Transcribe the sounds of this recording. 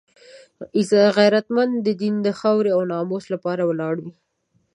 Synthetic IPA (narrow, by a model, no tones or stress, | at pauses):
ɪzɣajɾat̪mand̪d̪əd̪ind̪əxawɾeawnɑmoslapɑɾawəlɑɽwi